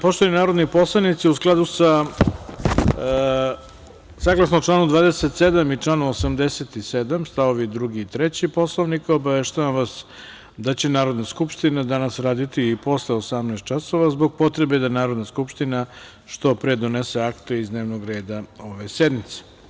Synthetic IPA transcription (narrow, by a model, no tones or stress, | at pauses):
poʃt̪oaninaːɾo̞d̪nipo̞slˠaʋnit̪siusklˠad̪usa | saːɡlˠasnoʈ͡ʂlˠaːnud̪ʋaːd̪eset̪sed̪amit͡ʂlˠaːnosamd̪eset̪ised̪amst̪aʋo̞ʋid̪ɾuɡiːt̪ɾet͡ɕipo̞slˠoʋnikobaʋeʃt̪aʋamʋas | d̪at͡ɕe̞naːɾo̞d̪naskupʃt̪inad̪anasɾaːd̪it̪iːpo̞sleosamnaːst̪̚t͡ʃaso̞ʋazbo̞ɡ̚po̞t̪ɾebe̞d̪anaːɾod̪naskupʃt̪ina | ʃt̪o̞pɾed̪onese̞akt̪ueizd̪neːʋnoɡɾeːd̪ao̞ʋe̞sed̪mit̪se̥